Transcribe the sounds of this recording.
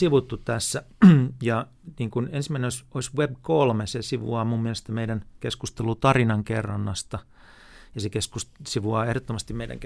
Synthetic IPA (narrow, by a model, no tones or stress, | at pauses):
siʋut̪ːutt̪æsːæjɑ | niːŋkunensimæinenoisoisʋebkolmesesiʋṵɑːmumːiɛlest̪æmeidænkeskust̪elut̪ɑrinɑŋkḛrːɑnːɑst̪ɑ | jɑsekeskussiʋuɑːehɾot̪ːomɑst̪immeidæ̰ŋk